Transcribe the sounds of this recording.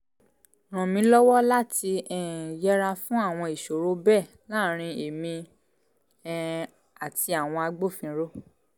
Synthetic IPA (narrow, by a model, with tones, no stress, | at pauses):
ɾ̃ɔ̃˨mĩ˨˦lɔ˦wɔ˦la˦ti˧ɛ˦˨jɛ˦ɾa˧fũ˦a˦˨w̃ɔ̃˧i˨ʃo˨ɾo˨˦bɛ˦˨ | la˦˨ɾ̃ĩ˧e˨mĩ˧˦ | a˨ti˧a˨w̃ɔ̃˧a˧ɡ͡bo˦˨fĩ˨˧˦ɾo˦